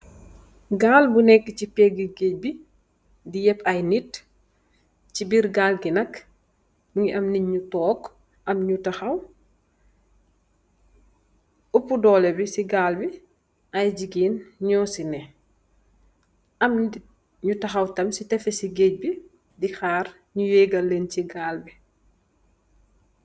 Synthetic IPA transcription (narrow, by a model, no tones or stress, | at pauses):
ɡaːlbunɛkːəcipɛɡiɡeːc̚bi | dijɛpʰɐjnit | cibiɾɡaːlɡinɐk | buŋiʔɐmniɲɲutɔːk | ʔɐmɲutɐxɐw | upudɔːlɛbisiɡaːlbi | ɐjɟiɡiːnɲɔːsinɛ | ɐm | ɲutɐxɐwtɐmsitɛfesiɡeːc̚bi | dixaːr | ɲujeɡɐlːenciɡaːlbi